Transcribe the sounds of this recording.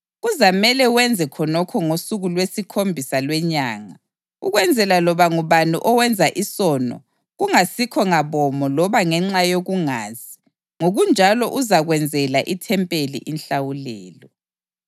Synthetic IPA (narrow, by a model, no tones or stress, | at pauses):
ɣuzamɛlɛwɛnd͡zʱɛkʰɔnɔkʰɔŋosuɣulwesikʰombʱisalwɛɲaːŋa | uɣwɛnd͡zʱɛlalɔβaŋuβanṵʔɔwɛnd͡zʱaʔisɔnɔ̰ | ɣuŋasikʰɔŋaβɔmɔlɔβaŋɛŋ͡ǁajoɣuŋaːzi | ŋoɣund͡ʒʱalɔʔuzaɣwɛnd͡zʱɛlaʔitʰɛmpʼelḭʔinɬawulɛːlɔ